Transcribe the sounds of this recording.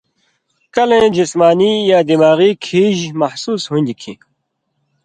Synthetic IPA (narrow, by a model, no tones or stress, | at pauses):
kɐlẽːd͡ʑismaːnijaːd̪imaːɣiːkʰiːʑmɐhsuːshũnʲd̪ikʰḭ̃ː